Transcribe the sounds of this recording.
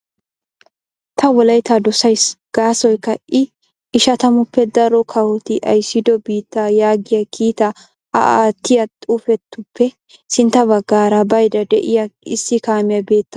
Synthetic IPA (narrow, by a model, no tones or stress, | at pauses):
t̪ʰɐwɔlɐjt̪ʰad̪ɔsɐjsɡ̥aːsɔjkːɐʔɪ | ɪʃɐt̪ɐmʊpːɛd̪ɐɾɔkʰɐwɔt̪ɪʔɐ̰jsːɪd̪ɔbiːt̪ːajaːɡɪjɐkʰiːt̪ɐ | ɐ̰ʔaːt̪ːɪjɐt̪ʼuːfɛt̪ːʊpːɛ | sɪnt̪ːɐbɐɡːaːɾɐbɐjd̪ɐd̪ɛʔɪjɐɪ̰sːɪkaːmɪjɐbe̞ːt̪ːɐ